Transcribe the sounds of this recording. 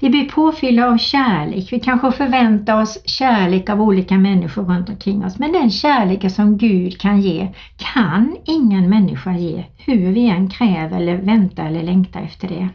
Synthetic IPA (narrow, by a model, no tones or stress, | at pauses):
vɪblɪpʰoːfʏlːaavɕæːɭḛːkvɪkʰanɧəfœɾvɛnt̪aɾɔsɕæːɭeːkavuːliːkamɛnːɪɧʊɾɵnt̪ɔmkʰɾɪŋːɔsmɛnd̪ɛnɕæːɭeːkəsɔmɡʉ̟ːd̪kʰanjeː | kʰanɪŋːənmɛnːɪ̰ɧajḛːhɵɾvɪɛnːkʰɾɛːvɛ̰lːəɾvɛnt̪aɛlːəɭɛŋkt̪ʰa̰ɾɛ̰ft̪ʰəɖɛ